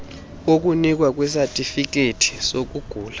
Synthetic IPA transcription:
ok̬unik̬wak̬wɛs̬atʼifik̬etʰi̥sok̬uɡ̥ʱuːlḁ

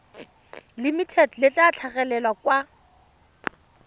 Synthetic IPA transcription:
limitʰɛdlɪt͡ɬʼat͡ɬʰaɣɛlɛlwakwa

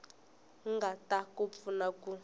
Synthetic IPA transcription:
ŋɡatakop̪funaku

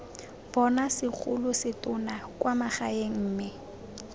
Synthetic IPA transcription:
b̥ɔnasɪk͡xʰʊlʊsɪtʼʊnakwamaχaeŋ̩ːmɪ

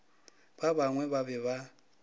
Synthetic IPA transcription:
baβaŋwɛβaβɛβa

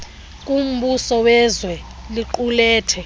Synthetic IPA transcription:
kʼum̩ɓusɔwɛzwɛ | liǃulɛːtʰɛ

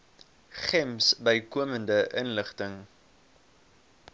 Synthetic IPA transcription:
χɛmsbəjkuəməndəʔənləχtəŋ

